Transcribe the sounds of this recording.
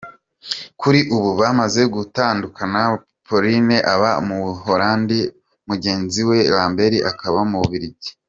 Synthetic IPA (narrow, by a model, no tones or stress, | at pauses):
kuɾiʔuβuβamaze̞ɡutaːndukana | pʰo̞ɾineʔaβamuhoɾaːndi | muɟe̞ːnziwe̞ɾaːmbe̞ɾiʔakaβamuβuβiɾiɟe̥